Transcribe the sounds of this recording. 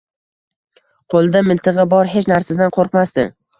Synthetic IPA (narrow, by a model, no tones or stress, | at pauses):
qʰolˠd̪amɪlˠt̪ʰɨʁɨbɒɾɦet͡ʃnaɾsad̪anqʰoɾqmasd̪ɪ̰